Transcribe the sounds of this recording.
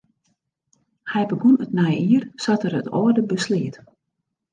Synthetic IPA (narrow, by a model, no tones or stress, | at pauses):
hɛjbəɡunətnɛjiərsatəɾətɔ̰ːdəbəsliət